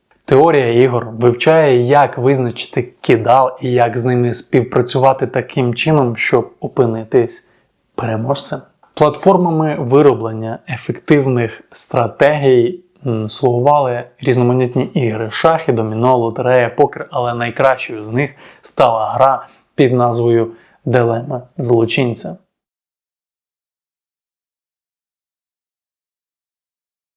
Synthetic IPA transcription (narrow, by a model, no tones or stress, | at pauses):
t̪eɔɾʲijɐiɦɔrʋɪwt͡ʃɑjɛjɐkʋɪznɐt͡ʃɪ̥t̪ɪkʲɪd̪ɑlˠijɐkznɪmɪspʲiwpɾɐt͡sʲʊʋɑt̪ɪt̪ɐkɪmt͡ʃɪnɔmʃt͡ʃɔb̚ɔpɪnɪt̪ɪsʲ | peɾemɔʃsʲɐ | plˠɐt̪fɔrmɐmɪʋɪɾɔblˠenʲːɐefekt̪ɪwnɪxst̪ɾɐt̪ɛɦʲij | slˠʊɦʊʋɑlˠɪɾʲiznɔmɐnʲit̪ʲnʲiʔiɦɾɪʃɑxɪd̪ɔmʲinuɐlˠɔt̪eɾɛjɐpɔkɪrɐlˠɛnɐjkɾɑʃt͡ʃɔjʊznɪxst̪ɑlˠɐɦɾɑ | pʲid̪nɑzʋɔjʊ | d̪ɪlˠɛmɐzlˠɔt͡ʃinʲt͡sʲɐ